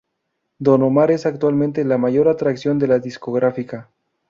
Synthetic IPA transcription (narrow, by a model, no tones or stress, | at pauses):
d̪o̞no̞maɾe̞sak̚t̪walmẽnt̪elamaʝo̞ɾat̪ɾaksjo̞nd̪e̞laðiskoɣɾafika